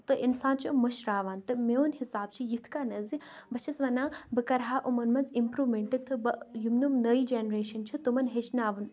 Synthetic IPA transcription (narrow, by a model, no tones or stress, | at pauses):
t̪ɨʔinsãːnt͡ʃʰimɐʃɾaːʋaːnt̪ɨmeːunhisaːb̚t͡ʃʰijit̪ʰkaːnɐzibɐt͡ʃʰɐsʋɐnãːbɨkɐɾɦaːʔumɐnmɐnzimpɾuːʋmeɳʈit̪ʰːɨbɐjumnumnɐid͡ʒeːnɾeːʃɐnt͡ʃʰit̪umɐnɦet͡ʃnaːʋɐn